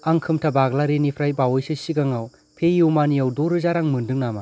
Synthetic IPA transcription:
aŋkʰɯmtʰabaɡlaɾenipʰɾajbawɔjsɯsiɡaŋaw | pʰejuwmanijawdoɾɯzaɾaŋmɯndɯŋnama

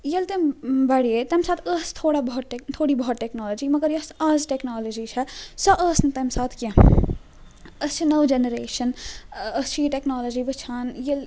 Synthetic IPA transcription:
jɐlt̪embɐɽiet̪ɐmsaːt̪ʰəːst̪ʰoːɽabɔɦt̪ʈet̪ʰoːɽibʱɔɦːt̪ʈːeknaːləd͡ʒimɐɡəɾjɐsaːzʈeknaːləd͡ʒit͡ʃʰɐsɐʔəːsnɐt̪ɐmsaːt̪ʰkẽ | ɐst͡ʃʰinɐʋd͡ʒenəɾeːʃənəst͡ʃʰiiʈeknaːləd͡ʒiʋɐt͡ʃʰaːnjɐl

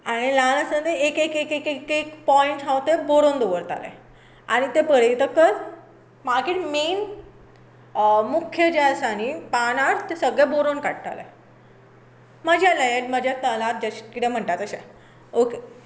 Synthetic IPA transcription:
aɽ̃ilãləsə̃nd̪eekekekekekekpɔiɳʈɦãwt̪eboɾond̪oʋəɾt̪a̰lḛ̃ | aɽ̃it̪epəɽet̪əkːəɾ | makiʈmen | mukʰjəd͡ʑasaniːpanaɾt̪esəɡɭeboɾonkaɽt̪a̰lḛ | məd͡ʑʱjaləjəʈməd͡ʑʱjat̪əlat̪̚d͡ʑəɕkit̪ʰɛ̃m̤əɳʈat̪əɕẽ | oke

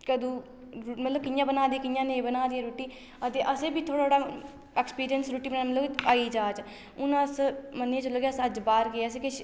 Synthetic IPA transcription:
kəd̪ũː | ɾmət̪ləb̚kɪjãːbənaːd̪iːkɪjãːnẽːbənaːd̪iːaɾuːʈiː | ət̪eːʔəseːbiːt̪ʰoːɽaːoːɽaː | ɛːkspiːɾijənsɾuːʈiːbənãːmət̪ləbaːiːd͡ʒaːt͡ʃ | ʊnãsmənẽːt͡ʃələɡasəd͡ʒbaːɾkeəs̬eːkɪʃ

